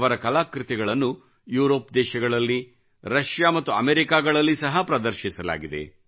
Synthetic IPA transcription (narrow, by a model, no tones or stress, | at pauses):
ʋɐɾɐkɐlaːkɾɪt̪iɡɐɭɐnːu | juːɾo̞ːpd̪ɛːʃɐɡɐɭɐlːi | ɾɐʃjaːmɐt̪ːuɐmeːɾikaːɡɐɭɐlːisɐɦɐpɾɐd̪ɐɾʃisɐla̰ːɡid̪e̞̰